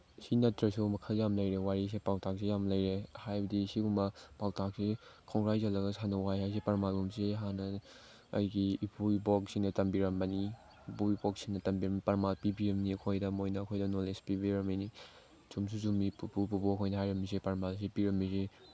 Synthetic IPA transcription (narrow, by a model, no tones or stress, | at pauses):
sinɐtɾɐsumɐkʰɐljamlɐjɾewaɾis̬epawtʰak̚sejamlɐjɾehajbɐdisiɡumɐpawtʰak̚sekʰɔŋɡɾajzɐlɐɡɐsʰanɐwajɦajs̬epɐɾmalɡumseɦanɐ̰ː | jɡiːpʰuibɔk̚siŋnɐtɐmbiɾɐmbɐni | puibɔk̚siŋnɐtɐmbiɾɐmipɐɾmalpibiɾɐmniɐkʰojdɐmojnɐːkʰojdɐnolespibiɾɐmajni | zums̬uzumipupupubokʰojnɐɦajɾɐmːis̬epɐɾmals̬epiɾɐmːise